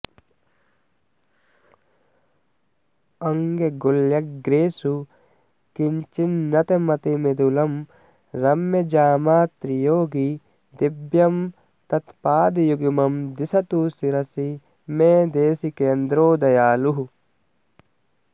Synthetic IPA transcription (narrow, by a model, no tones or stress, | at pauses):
ɐŋɡeɡoljɐkɡɾeːsu | kiɲt͡ʃinːɐt̪emɐt̪imed̪ulɐm | ɾɐmjɐd͡ʒaːmaːt̪ɾijoːɡi | d̪ibjɐm | t̪ɐt̪paːd̪ijuɡimɐmd̪isɐt̪usiɾɐsi | meːd̪eːsikeːnd̪ɾoːd̪ɐjaːluɦu